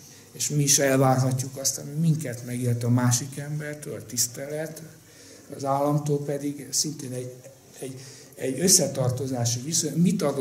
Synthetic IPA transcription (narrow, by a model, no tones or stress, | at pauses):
eːʃmiːʃɛlvaːrɦɒcːukɒst̪ɒmimiŋkɛt̪mɛɡirt̪ɒmaːʃikɛmbɛrt̪øːlɒt̪ist̪ɛlɛt̪ | ɒzaːlːɒmt̪oːlpɛd̪iɡsint̪eːnɛɟ | ɛɟː | ɛɟø̞sːɛt̪ɒrt̪o̞zaːʃiʋisomit̪ɒɡ